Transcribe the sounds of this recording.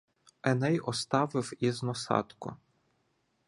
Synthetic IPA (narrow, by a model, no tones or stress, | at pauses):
ɛnɛjɔst̪ɑʋɪwiznɔsɑ̰t̪kʊ̰